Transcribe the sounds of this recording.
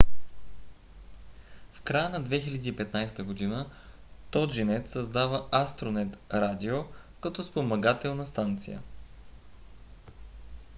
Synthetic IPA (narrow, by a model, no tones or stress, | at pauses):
fkɾajənɐd̪vɛxilʲɐd̪iːpɛt̪najst̪əɡod̪inə | t̪ɔʒinɛt̪sɐzd̪avəast̪ɾonɛt̪ɾad̪io | kɐt̪ɔspomɐɡat̪ɛlˠnɐst̪ant̪sḭjə̰